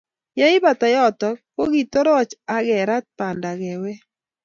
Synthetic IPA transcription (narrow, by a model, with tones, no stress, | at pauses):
ja˦i˦ba˨t̪a˨jɔ˦t̪ɔ˨ko˦ɡi˨t̪o˦ɾɔ˦t͡ʃa˦ɡɛ˨ɾa˦t̪̚pa˨nda˨ɡɛ˨we˦